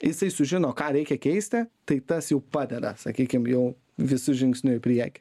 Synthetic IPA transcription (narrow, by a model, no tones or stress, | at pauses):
jɪsɐɪsʊʒʲɪnoːkɑːɾʲɛɪkʲɛkʲɛɪsʲt̪ʲɪt̪ɐɪt̪ɐsjɛʊpɑːd̪ʲɛd̪ɐ̰sɐkʲiːkʲɪmjɛʊ | ʋʲɪsʊʒʲɪŋksʲnʲʊɪpʲɾʲiɛkʲɪ̥